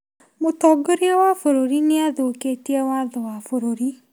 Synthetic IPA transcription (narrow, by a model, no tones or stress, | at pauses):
motɔːɡoɾiɔwafoɾoɾineaðoːkeːtiɛwaðowafoɾoɾi